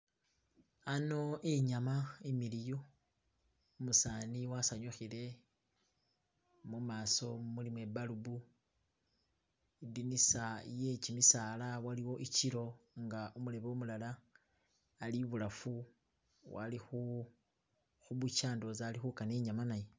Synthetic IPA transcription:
ano̞ʔeɲamaemilijo | musaːniwasaɲuxile̞ | mumaːso̞mulimwe̞balubu | idinisaje̞cimisaːlawaliwo̞ʔiciɾo̞ŋɡaʔumule̞βeomulalaː | liβulafu | wa̰lixu | xuβut͡ʃaːndo̞zaːlixukaneɲamanaje̞

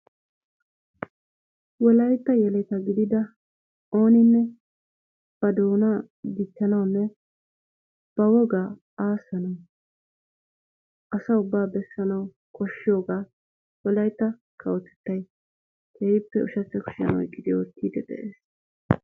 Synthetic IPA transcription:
wɔlɐjt̪ːɐjɛlɛt̪ɐɡɪd̪ɪd̪ɐ | o̞ːnɪnːɛ | b̥ɐd̪oːnɐ | d̪ɪt͡ʃːɐnɐwnːɛ | b̥ɐwɔɡaː | aːsːɐnɐw | ʔɐsɐʊbːaːbɛsːɐnɐw | kʰɔʃːɪjoːɡaː | wɔlɐjt̪ːɐ | kʰɐwɔt̪ɛ̥t̪ːɐj | keːjɪpːɛʊʃɐt͡sːɛkʊ̥ʃɐ̰nɐwɔɪkʼːɪd̪ɪɔt̪ːiːd̪ɛd̪ɛ̰ʔeːs

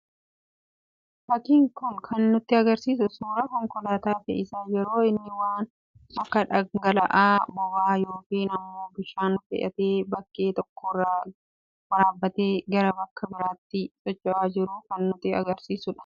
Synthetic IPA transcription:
fɐkiːŋkʊnkʰɐnːʊt̪ːɪɐɡɐɾsiːs̬ʊsuːɾɐkɔŋkɔlaːt̪aːfɛɪsaːjɛɾo̞ːɪnːɪwaːn | ɐkːɐᶑɐɡɐlɐʔaːbɔbaːjoːkiːnɐmːo̞ːbɪʃaːnʊfɛ̰ʔɐ̰t̪eːbɐkːe̞ːt̪ɔkːoɾa | wɐɾaːbːɐt̪eːɡɐɾɐbɐkːɐbɪɾaːt̪ːɪsʼɔt͡ʃːɐʔaːd͡ʒɪɾʊkɐnːʊt̪ɪɐɡɐɾsiːsʊᶑɐ̥

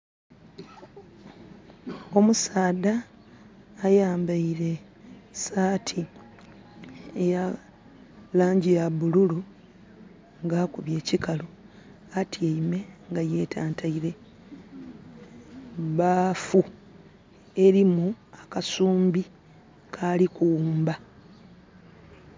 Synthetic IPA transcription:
o̞musaːdaː | jaːmbaiɾe̞ | saːtʰi | eja | laːɲɟijaβululu | ŋɡaːkuβje̞ːcikalo | atʰieime̞ŋɡaje̞ːtʰaːntaiɾe̞ | βafu | e̞ɾimuakasuːmbi | kʰalikuːmba

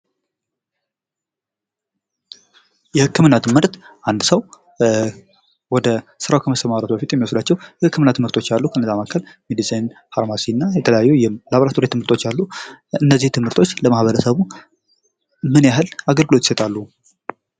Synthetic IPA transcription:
jɛhɨkʰːɨmɨnːat̪ʰɨmhɨɾt̪ʔand̪səw | wɔd̪əsɨɾawkʰəməsəmaɾət̪ubəfit̪jɛmːiwosd̪at͡ʃːɛwjɛhɨkːɨmɨnːat̪ʰɨmhɨɾt̪ʰo̞t͡ʃːalːukʰənzamakʰːəl | midisʼenfaɾmasinːajɛt̪ʰələjajːujɛlaβɾat̪ʰoɾet̪ɨmhɨɾt̪ʰot͡ʃːalːuɨnːəzːiht̪ʰɨmhɨɾt̪ʰo̞t͡ʃːləmahβəɾəsəβu | mɨnjaɦɨlaɡəlɡɨlo̞t̪jɪ̥sət̪ʼalːu

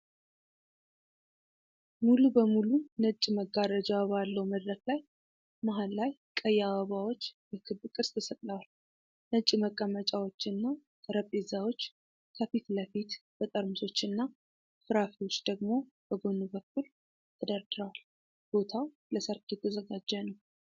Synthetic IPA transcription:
mulubəmulunət͡ʃʼːməɡaɾəd͡ʒawbalːəwməd̪ɾəklaj | maɦanlajkʼəjːawəβawo̞t͡ʃːbəkʰɨbkʼɨɾst̪ʰəsət̪ʼləwal | nət͡ʃʼːməkʼːəmət͡ʃʼawo̞t͡ʃːɨnːakʼəɾəpʼezawo̞t͡ʃː | kʰəfit̪ləfit̪b̥ət̪ʼəɾmuso̞t͡ʃːɨnːa | fɨɾafiwot͡ʃːd̪əɡmo̞b̥əɡo̞nːubək̚ʰːul | t̪ʰɨd̪əɾd̪ɨɾəwal | b̥o̞t̪ʰaw | ləsəɾkʰet̪ʰːəzəɡad͡ʒːɛnəw

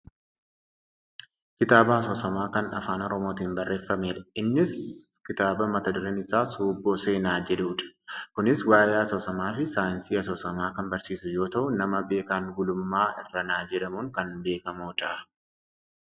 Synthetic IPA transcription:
kɪt̪aːbɐhɐsoːsɐmaːkɐnɐ̰faːnɔɾɔmo̞ːt̪iːnbɐrːe̞ːfːɐmeːᶑɐɪnːɪs | kɪt̪aːbɐmɐt̪ɐd̪ʊɾeːnɪsaːsuːbːoːse̞ːnaːd͡ʒɛᶑuːᶑɐ̥kʊnɪswaːjaːɐsoːsɐmaːfɪsaːjɪnsiːɐs̬oːsɐmaːkɐnbɐɾsiːsʊjo̞ːt̪ɐʔʊnɐmɐbe̞ːkaːŋɡʊlʊmːaːʔɪrːɐnaːd͡ʒɛᶑɐmuŋkɐnbe̞ːkɐmoːt̪ɐʔɐ

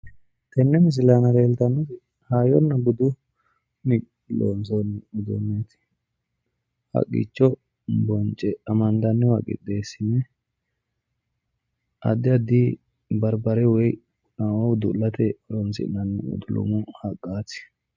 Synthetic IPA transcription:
t̪ɛnːɛmɪs̬ɪlaːnɐɾeːlt̪ɐnːɔt̪ɪ | haːjɔnːɐbʊd̪ʊ | mɪ | lo̰ːnsɔnʊd̪ɔ̰mːet̪ɪ̥ | hɐ̰kʼːɪ̰t͡ʃːɔ | bɔnt͡ʃʼɛɐmɐnd̪ɐnːɪwɐkʼɪ̰d̪eːsɪnːɛ | ɐ̰d̪ːɪɐd̪ɪ | bɐɾbɐɾɛwɔj | nawɔwd̪ʊlːɐt̪ɛɔɾɔnsɪ̰nɐnːɪʊ̰d̪ʊlɔ̰mʊhɐkʼːaːt̪ɪ̥

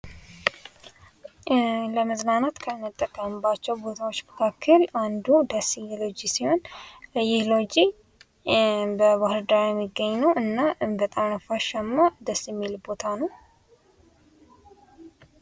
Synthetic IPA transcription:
ləməznanat̪kʰəmɨt̪ʼːəkʼːəmɨbat͡ʃːɛwbo̞t̪ʰawot͡ʃːməkʰakʰːəland̪ud̪əsijːɛlo̞d͡ʒisiho̞nɨjɪhlod͡ʒi | bəbahɨɾd̪aɾjɛmːiɡːəɲːnəwʔɨnːaʔɨnbət̪ʼanəfaʃamːad̪əsːjɛmːilbot̪ʰanəw

